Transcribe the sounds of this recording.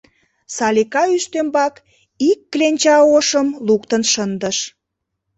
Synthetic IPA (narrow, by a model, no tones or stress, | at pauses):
sɑlʲikɑyʃt̪ømbɑk | ikːlenʲt͡ɕɑoʃəmlukt̪ənʃənd̪əʃ